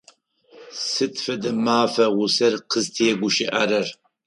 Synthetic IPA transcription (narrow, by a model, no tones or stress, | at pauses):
sɨtʰfɐdɐmaːfɐʁʊsɐrqəztʰijɛɡʷʊʃiʔɐɾɐr